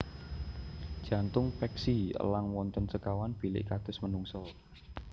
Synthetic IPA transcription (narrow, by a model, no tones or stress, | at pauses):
d̥ʒ̥a̤nt̪ʊŋpɛksiə̰laŋwɔnt̪ənsəkawanb̥i̤lɪ̰ʔkad̪̥ʊ̤smənuŋsɔ